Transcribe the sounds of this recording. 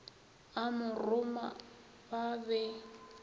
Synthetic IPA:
amʊrʊma | babɛ

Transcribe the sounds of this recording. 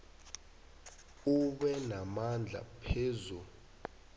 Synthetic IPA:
uɓɛnamand͡ɮʱa̰pʰeːzu

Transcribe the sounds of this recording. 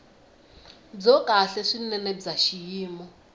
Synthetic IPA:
b͡ʐɔkʼaɬɛʂinɛnɛb͡ʐaʃijiːmɔ

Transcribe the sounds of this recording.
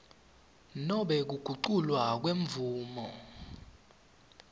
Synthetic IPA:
nɔɓɛk̬uɡ̥ʱuǃulwak̬weɱvuːmɔ

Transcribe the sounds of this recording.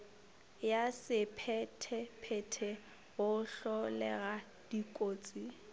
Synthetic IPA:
jasɪpʰɛtʰɛpʰɛtʰɛ | ɣʊɬɔlɛ̰ɣa | d̥ikʼoːt͡sʼi

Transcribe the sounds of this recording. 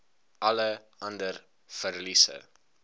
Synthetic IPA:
ʔɐləʔɐndər | fərlisə̰

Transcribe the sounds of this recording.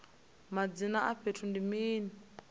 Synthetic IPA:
mad͡zinaʔaɸʰetʰundimiːni

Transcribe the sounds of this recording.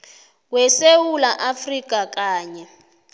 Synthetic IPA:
wɛsewulaʔafrik̬ʼakaːɲɛ

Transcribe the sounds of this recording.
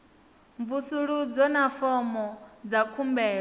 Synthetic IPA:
ɱvusuɺud͡zɔnafɔmɔd͡zakʰumbɛːɺɔ

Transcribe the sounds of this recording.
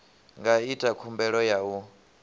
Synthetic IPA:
ŋɡaitʼakʰumbɛɺɔjau

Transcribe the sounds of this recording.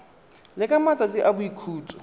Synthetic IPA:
lɪkʼamatʼatʼiʔabʊikʰuːt͡sʼɔ̥

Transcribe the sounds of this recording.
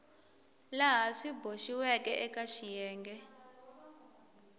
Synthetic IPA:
laɦaʂibʱoʃiwɛkʼɛʔɛkʼaʃijɛːŋɡɛ

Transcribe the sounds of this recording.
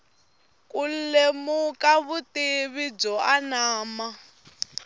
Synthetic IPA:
kʼulemukaβutiβid͡zɔanaːma

